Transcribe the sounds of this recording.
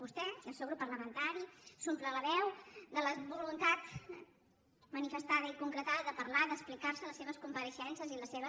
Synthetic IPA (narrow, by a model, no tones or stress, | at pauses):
ust̪ɛiəlˠsɛwɣɾupːərləmənt̪aɾisumplələβɛwd̪ələβulunt̪at̪ | mənifəst̪aðəikuŋkɾət̪aðəðəpəɾlaðəsplikaɾsələseβ̞əskumpəɾəʃɛnsəziləsːeβ̞ə